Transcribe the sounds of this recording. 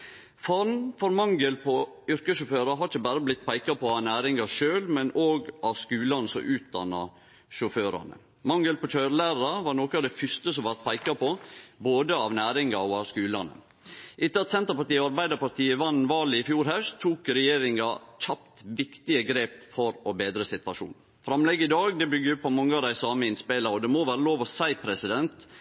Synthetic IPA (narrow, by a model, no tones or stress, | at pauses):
fɑɾnfɔɾmɑŋɡəlpʰɔ | ʏɾkəsʃʊføːɾɑɦɑɾɪçəbæːɾəblɪt̪ːpʰæɪkɑpʰɔɑʋnæːɾɪŋɑʂøːlmɛnoːɡʔɑʋskʉːlɑnəsɔ̰ʔʉːt̪̚d̪ɑ̰nːɑ̰ | ʃʊføːɾɑ̰nə̰ | mɑŋɡəlpɔçœɾlæːɾɾɑʋɑːɾnoːkəɑʋd̪ɛfʏst̪əsɔmʋæɾt̪̚pʰæɪkɑpɔboːd̪əɑʋnæːɾɪŋɑɔɑʋskʉːlɑnə̰ | ʔɪt̪ːəɑt̪sɛnt̪əɾpɑɾt̪iːɔɑɾbæɪd̪əpɑɾt̪ʰiːəʋɑnʋɑːlɪɪfjuːɾhæɾt̪ʰuːkɾɛjeːɾɪŋɑc͡çʰɑpt̪ʋɪkt̪ɪəɡɾeːpfɔɾɔbeːd̪ɾəsɪt̪ʋɑʂṵːn | fɾɑmlɛɡːəɪd̪ɑːɡd̪ɛbʏɡəjʊpʰːɔmɑŋːəɑd̪æɪsɑːməɪnspeɪlɑɾɔd̪ɛmoːʋæːɾəloːʋɔsæɪpʰɾɛsɪd̪ɛnt̪